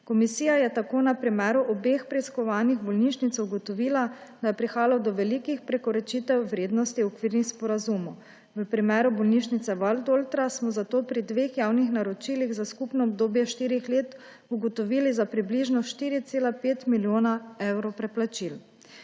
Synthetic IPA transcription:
kɔmisiːjajɛt̪akoːnapɾimɛːɾuʔɔbeːxpɾɛiskɔʋaːniɣbɔlniːʃnit̪suɡɔt̪ɔʋiːlad̪ajɛpɾixaːlawd̪ɔʋɛlikixpɾɛkɔɾɛt͡ʃiːt̪ɛwːɾeːd̪nɔst̪iɔkʋiɾnixspɔɾazumɔ | ʋəpɾimɛːɾubɔlniʃnit̪sɛʋalt̪olt̪ɾasmɔzat̪oːpɾid̪ʋeːxjaːwnixnaɾɔt͡ʃiːliɣzaskupnɔɔb̚d̪oːbjɛʃt̪iːɾixleːt̪ | uɡɔt̪ɔʋiːlizapɾibliʒnɔʃt̪iːɾit̪seːlapeːt̪miljoːnaɛwɾɔpɾɛplat͡ʃil

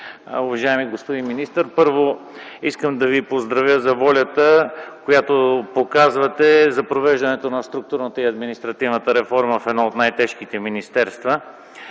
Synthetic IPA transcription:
ʊvɐʒaɛmiɡospod̪inminist̪əɾpɤɾvo | iskəmd̪ɐvipozd̪ɾɐvjəzɐvɔlʲət̪əkojat̪opokazvɐt̪ɛzɐpɾovɛʒd̪ɐnɛt̪onɐst̪ɾuk̚t̪uɾnət̪əiɐd̪minist̪ɾɐt̪ivnət̪əɾɛfɔɾməfɛd̪naot̪najt̪ɛʃkit̪ɛminist̪ɛɾst̪və

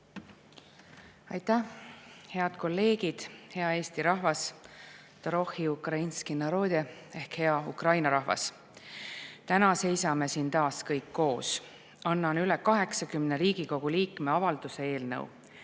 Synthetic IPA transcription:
ɑjt̪æhhe̞ɑd̪̥ko̞lːe̞ːɡ̥id̪̥he̞ɑe̞ːst̪iɾɑhvɑs | t̪oɾo̞hiukrɑinskinɑɾo̞ːd̪̥ʲe | e̞hkhe̞ɑukrɑjnɑɾɑɦvɑ̰s | t̪ænɑse̞jsɑme̞siːnt̪ɑːskɤjkːo̞ːs | ɑnːɑnylɛkɑɦe̞ksɑkymne̞ɾiːɡ̥iko̞ɡ̥uliːkme̞ɑvɑld̪̥use̞e̞ːlnɤ̰w̰

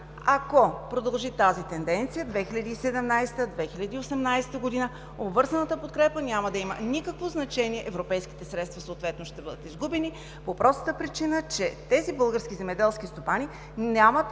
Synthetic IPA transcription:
akopɾod̪ɐlˠʒit̪azit̪ɛnd̪ɛnt̪sijəd̪vɛxiʎʲɐd̪iːsɛd̪ɛmnajsɛ̥t̪əd̪vɛxilʲɐd̪iːosɛmnajsɛ̥t̪əɡod̪inə | obvɤɾzɐnət̪əpot̪̚kɾɛpənʲaməd̪ɐimənikəkvoznɐt͡ʃɛniɛʔɛvɾopɛjskʲi̥t̪ɛsɾɛt̪st̪vɐsoːt̪vɛt̪noʃt̪ɛbɤd̪ət̪izɡubɛni | popɾʔɔst̪ət̪əpɾit͡ʃinət͡ʃɛt̪ɛzibɤlˠɡəɾskʲizɛmɛd̪ɛlˠsk̟ʲist̪opani | nʲamət̪

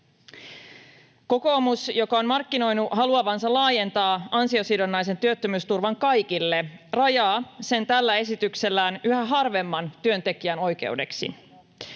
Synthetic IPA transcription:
ko̞ko̞ːmusjo̞kɑonmɑrkːino̞jnuʔɦɑluɑʋɑnsɑlɑːje̞nt̪ɑːɑnsio̞sidonːɑjs̬e̞nt̪yøt̪ːømyːst̪urʋɑŋkɑjkilːe̞rɑjɑːse̞nt̪ælːæe̞sit̪ykse̞lːæːnyhæɦɑrʋe̞mːɑnt̪yø̞nt̪e̞k̟iæno̞jk̟e̞̰ude̞ksḭ

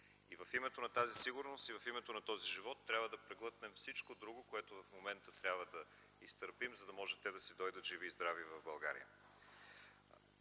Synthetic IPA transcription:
ivɐfimɛt̪onɐt̪azisiɡʊɾnost̪ivɐfimɛt̪onɐt̪ɔziʒivɔt̪ːɾʲabvəd̪ɐpɾɛɡlˠɤt̪nɛmfsit͡ʃkod̪ɾuɡokoɛt̪ovɐfmomɛnt̪ət̪ɾʲabvəd̪ɐ | ist̪əɾpimzɐd̪ɐmɔʒɛt̪ːɛd̪ɐsid̪ɔjd̪ət̪ʒivizd̪ɾavivɐvbɐlˠɡaɾḭjə̰

